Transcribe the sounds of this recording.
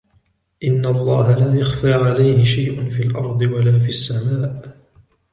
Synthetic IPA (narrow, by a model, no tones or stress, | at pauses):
ʔɪnːalˤːɑːɦalaːjaxfaːʕalajhɪʃajʔʊnfiːlʔɑɾˤd̪ˤɨwalaːfiasːamaːʔ